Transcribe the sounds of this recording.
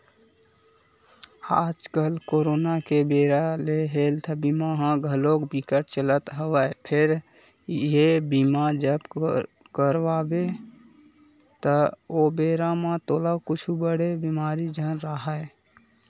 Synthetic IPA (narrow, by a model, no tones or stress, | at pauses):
aːd͡ʒkəlkoːɾoːnakebeːɾaleɦeːlt̪ʰəbimaɦãɡʱəlokbikəʈ̚t͡ʃələt̪ɦəʋəpʰɪɾ | ebimad͡ʒəb | kəɾwaːbe | t̪əobeːɾamãt̪oːlakʊt͡ʃʰubəɽebimaːɾid͡ʒənɾəɦə